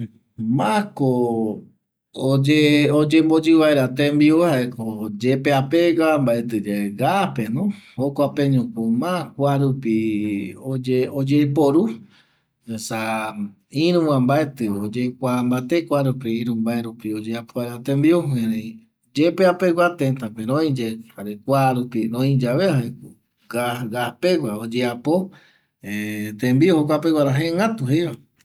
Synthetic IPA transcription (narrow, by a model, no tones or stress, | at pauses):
mãko | d͡ʒeod͡ʒembod͡ʒɨβaeɾat̪embiohaʔekod͡ʒepeapeɡambaet̪ɨd͡ʒeeɡapenõhokʷapẽɲũkomãkʷaɾupiod͡ʒeod͡ʒepoɾu | esa | ĩɾũwãmbaet̪ɨod͡ʒekʷambat̪ekʷaɾup̬iiɾũmbaeɾupiod͡ʒeapoaɾat̪ẽmbioheɾei | d͡ʒepeapeɡʷat̪ent̪ãpeɾõĩd͡ʒehaɾekʷaɾupiɾõĩd͡ʒaβeae | ɡaɡahpeɡʷaod͡ʒeapo | et̪ẽmbiohokʷapewʷaɾaɦeŋɡat̪uɦejwa